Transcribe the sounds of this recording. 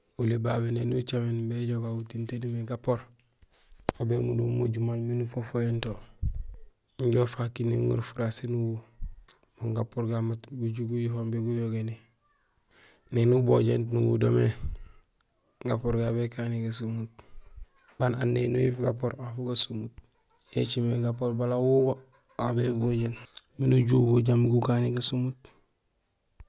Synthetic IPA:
ulibabenenut͡ʃamenbeɟoɡautintedimeɡapoɾ | obemudumuɟumanminufofojento | iɲɟofakiniŋṵɾfuɾasinuwu | muŋɡapoɾɡamatɡuɟuɡujifombiɡujoɡeni | nenuboɟḛntnuwṵdome | ɡapoɾɡabekaniɡas̬umut̚ | bananːenujifɡapoɾafuɡasumut̚ | jet͡ʃimeɡapoɾbalawuɡo | abeboɟenminuɟuɡuɟamɡukaniɡasumut

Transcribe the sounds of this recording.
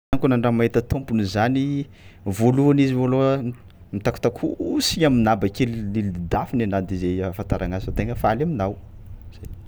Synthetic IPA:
ŋkunaɳɖ͡ʐamaɦit̪ət̪ompunizani | voluanizivolo | mit̪aku̥t̪akʰuusiɲaminabakellilid̪afinenad̪izejfant̪aɾaŋaz̥ifat̪eŋəfalaminaw | z̥aj

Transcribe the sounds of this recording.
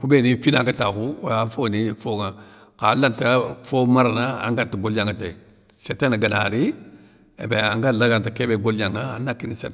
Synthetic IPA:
kubenĩfinãŋkatakujafonĩfoŋa | kalantafomaɾanaã̰ŋɡatiɡoljãŋkatai | setɛnaɡanaɾi | ḛbeãŋɡalaɡantakebeɡoliãŋaa̰nakinisḛt

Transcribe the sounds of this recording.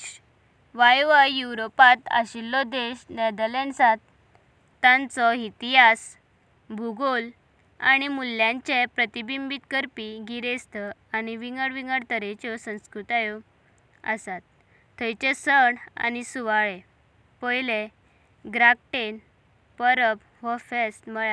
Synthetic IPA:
ʋajʋajuwɾopat̪a̰ɕilːɔd̪eɕnɛd̪əlensat̪ː | ãnt͡sɔit̪iɦas | bʱuɡol | a̰ɽ̃imulːjãɲt͡ɕepɾət̪ibimbit̪kəɾpiɡiɾest̪ə | añiʋiŋɡəɽʋiŋɡəɽt̪əɾẽt͡ɕɔsə̃w̃skɾut̪ajo | a̰sat̪ʰː | əjt͡ɕesəɳa̰nisuʋaɭe | pɔjle | ɡɾak̚ʈen | pəɾəp | ʋɔfesməɭa

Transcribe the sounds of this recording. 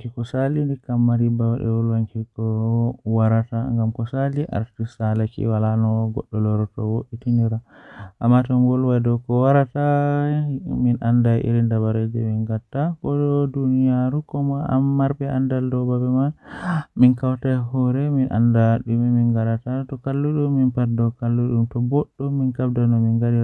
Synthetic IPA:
kikɔsalindikamːaɾibawaɗɛ̰wɔlwaŋkikɔwaɾataŋɡamkɔsaliʔa̰ɾtisalakḭwalanɔɡɔ̰ɗːɔlɔɾɔtɔwoʔitiniɾaʔamːatɔŋɡɔlwajdɔkɔwaɾata | minʔandajʔḭɾindabaɾed͡ʒɛminɡatːakɔdɔdunijaɾukɔmaa̰mːaɾbɛandaldɔbabɛmaminkawtajɦɔɾɛminʔa̰ndaɗumiminɡaɾatatɔkalːuɗumːinpadɔkalːuɗumtɔbɔɗːɔminkabdanɔminɡaɗi

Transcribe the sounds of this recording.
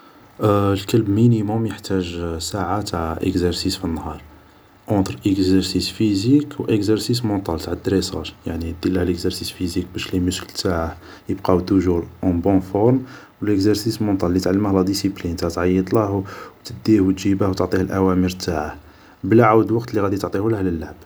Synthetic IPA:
lkəlbminimomjəħt̪ʰæʒsaʕat̪aʕʔə̰kzɛɾsisfinːhɑɾˤ | ʔɑ̃t̪ɾʔəkzɛɾsisfizikwʔəkzəɾsis̬mɑ̃t̪ˤɑlt̪aʕəd̪ɾesɑ̰ʃjaʕnid̪̥ilːəhləkzəɾsisfizik̚bæʃliməsklt̪aʕa | jəbqɑt̪uʒuɾʔɑ̃bɔ̃fɔɾm | wələkzəɾsismɑ̃t̪ˤɑlːit̪ʕalːəmæhlæd̪isiplint̪at̪ʕɑjːəd̪ˤləhwt̪əd̪ːihwt̪ʒibəhwt̪oʕt̪ˤihəlʔæwæmiɾt̪aʕah | bəlʕawd̪wɑqt̪liɣæd̪it̪oʕt̪ˤihulæhləlːaʕb

